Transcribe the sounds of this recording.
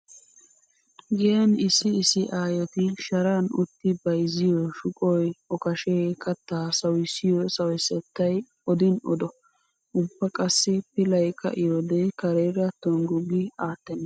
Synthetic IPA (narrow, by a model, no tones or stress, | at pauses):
ɡɪjɐnɪsːɪːsɪʔaːjɔt̪ɪʃɐɾaːnʊ̰t̪ːɪbɐjzɪjɔʃʊkʼɔjɔkɐʃeːkɐt̪ːaːsɐwɪsːɪjɔsɐwɪsɛt̪ːɐj | ɔd̪ɪnɔ̰d̪ɔ | ʔʊbːɐkʼɐsːɪpɪlɐjkʰɐ̰ʔɪjɔd̪ɛkɐɾeːɾɐt̪ːɔŋɡʊɡɪaːt̪ːɛnːɐ